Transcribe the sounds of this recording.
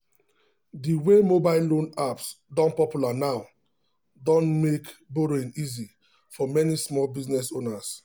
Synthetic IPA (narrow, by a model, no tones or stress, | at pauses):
diwemobaɪlõnaps | dɔ̃npɔpjulanaʊ | dɔ̃nmekboɾẽnizi | fɔmɛnismɔlbiznɛsonas